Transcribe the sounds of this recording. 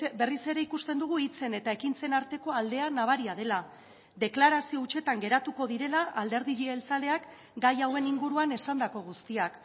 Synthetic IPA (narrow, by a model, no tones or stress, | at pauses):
be̞rise̞ɾe̞ikust̪e̞nd̪uɣ̞uit͡se̞ne̞t̪ae̞kint͡se̞naɾt̪e̞ko̞ald̪e̞anaβ̞aɾiað̞e̞la | d̪e̞klaɾasio̞ut͡ʃe̞t̪aŋɡe̞ɾat̪uko̞ðiɾe̞laʔald̪e̞ɾðiʎielt͡sale̞ak | ɡajawe̞niŋɡuɾuane̞sand̪ako̞ɣ̞ust̪iak